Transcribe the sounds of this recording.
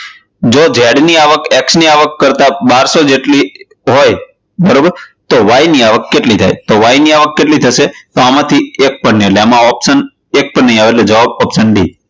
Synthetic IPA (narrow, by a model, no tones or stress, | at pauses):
d͡ʒod͡ʒʱɛɽniaʋəkɛksniaʋəkːəɾt̪abaɾsod͡ʒeʈli | ɦoj | bəɾobəɾt̪oʋajniaʋəkːeʈlit̪ʰa̰jt̪oʋajniaʋəkːeʈlit̪ʰəʃet̪oamãt̪ʰiek̚pəɳnɦeleamãɔpsən | ek̚pəɳnəɦĩaʋeled͡ʒəʋabɔpsənɖḭ